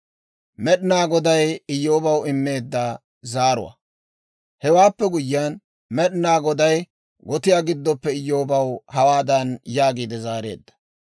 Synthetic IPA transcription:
mɛɗɪnaːɡɔd̪ɐjɪjːo̞ːbɐwɪmːe̞ːd̪ːa | zaːɾʊ̰wɐ̰ | hɛwaːpːɛɡʊjːɪan | mɛɗɪnaːɡɔd̪ɐj | ɡɔt̪ɪjaːɡɪd̪ːɔpːɛɪjːo̞ːbɐwhɐwaːd̪ɐnjaːɡiːd̪ɛzaːɾe̞̰ːd̪ːɐ̥

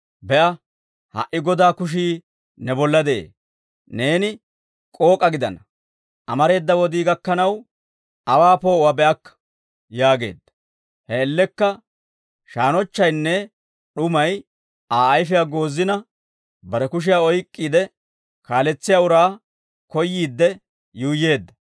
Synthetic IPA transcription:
bɛʔɐ | hɐ̰ʔɪɡɔd̪aːkʊʃ̬iː | nɛbɔlːɐd̪ɛʔḛː | ne̞ːnɪ | kʼo̞ːkʼɐɡɪd̪ɐ̰nɐ | ʔɐmɐɾe̞ːd̪ːɐwɔd̪iːɡɐkːɐnɐw | ʔɐwaːpoːwabɛʔɐkː | jaːɡe̞̰ːd̪ːɐ̥ | hɛːlːɛkːɐ | ʃaːnɔt͡ʃːɐjnːɛ | ɗʊmɐj | aːjfɪjaɡo̞ːzːɪnɐ | bɐɾɛkʊʃ̬ɪjaːɔjkʼːiːd̪ɛ | kaːlɛt͡sːɪjaːʊɾaː | kɔjːiːd̪ːɛ | juːjːe̞ːd̪ːɐ

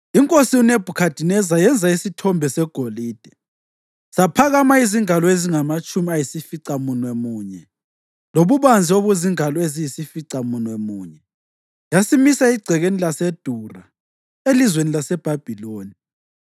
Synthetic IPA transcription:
iŋkʼosiuneb̥ʱukʰad̥ʱinɛzajɛnd͡zʱaisitʰɔmbʱɛsɛɡ̥ʱoliːd̥ʱɛ | sapʰaɣamaiziŋalɔeziŋamat͡ʃʼumiajisifiǀamunwɛmuːɲɛ | loβuβand͡zʱioβuziŋalɔezijisifiǀamunwemuːɲɛ | jasimisaiɡ͡ǀʱɛɣenilased̥ʱura | elizwenilasɛb̥ʱab̥ʱiloːni

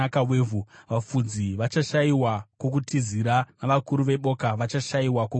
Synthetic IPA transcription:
akaweːvʱuʋafud͡ziʋat͡ʃaʃaiwako̞kutiziɾanaʋakuɾuʋe̞ɓo̞ːkaʋat͡ʃaʃaiwako

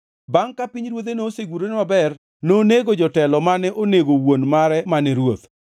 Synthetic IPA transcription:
baŋkapiɲɾwot̪̬enoːseɡuɾonemabɛr | noneɡod͡ʒɔtɛlɔmanɛʔoneɡowonmaɾɛmanɛɾwot̪

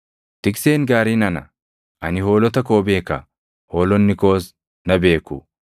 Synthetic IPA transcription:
t̪ɪkseːnɡaːɾinɐnɐ̰ | ʔɐnɪho̞ːlɔt̪ɐko̞ːbeːkːɐ̰ | ho̞ːlɔnːɪko̞ːs | nɐbe̞ːkːʊ̰

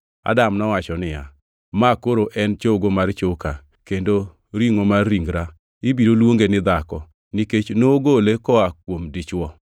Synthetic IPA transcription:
a̰damnɔwat͡ʃɔnɪja̰ | makoɾoʔɛnt͡ʃoɡomart͡ʃoka | kendo | ɾiŋomarːiŋɡɾa | ɪbiɾolwoŋɡenɪd̪akɔ | nɪket͡ʃnoɡolekɔakwomdɪt͡ʃwɔ

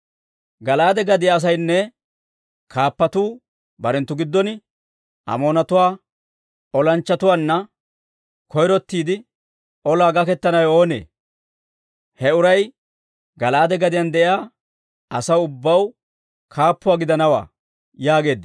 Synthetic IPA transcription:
ɡɐlaːd̪ɛɡɐd̪ɪjaːs̬ɐjnːɛ | kʰaːpːɐt̪uː | bɐɾɛnt̪ːʊɡɪd̪ːɔn | ʔɐ̰mo̞ːnɐt̪ʊwaː | ɔlɐnt͡ʃːɐt̪ʊwaːnːɐ | kɔjɾɔt̪ːiːd̪ɪ | ʔɔlaːɡɐkɛt̪ːɐnɐjo̞ːnḛː | hɛʊɾɐj | ɡɐlaːd̪ɛɡɐd̪ɪjɐnd̪ɛʔɪjaː | ʔɐsɐwʊbːɐw | kʰaːpːʊwaːɡɪd̪ɐnɐwa̰ː | jaːɡe̞ːd̪ːɪ

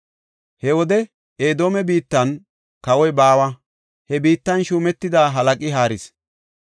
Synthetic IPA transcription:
hɛwɔd̪ɛ | eːd̪oːmɛbiːt̪ːɐn | kɐwɔjbaːwɐ | hɛbiːt̪ːɐnʃuːmɛt̪ːɪd̪aːɦɐlɐkʼɪɦaːɾɪs

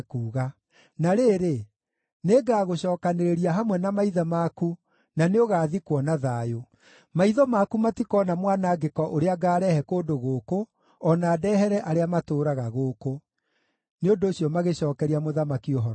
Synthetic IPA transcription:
kuːɣa | naɾeːɾe | neɡaːɣoɕɔːkaneɾeɾiaɦamwɛnamaiðamaku | naneoɣaːðikwɔnaðaːjo | maiðɔmakumatikɔːnamwaːnaːɡekɔʔoɾeaɡaːɾɛhɛkoːdoɣoːko | ɔnaːdɛːɦɛɾɛʔaɾeamatoːɾaɣaɣoːko | neondoːɕjɔmaɣeɕɔːkɛɾiamoðamakioɦɔɾ

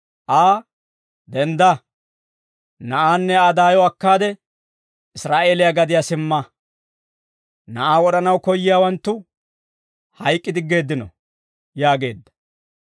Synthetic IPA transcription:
ʔaː | d̪ɛnd̪ɐ | nɐʔaːnːɛad̪aːjɔɐkːaːd̪ɛ | ɪsɾaːʔe̞ːlɪjaɡɐd̪ɪjasɪmːɐ | nɐʔaːwɔɗɐnɐwkɔjːɪjaːwɐnt̪ːʊ | hɐjkʼːɪd̪ɪɡe̞ːd̪ːɪnɔ̰ | jaːɡe̞ːd̪ːɐ̥

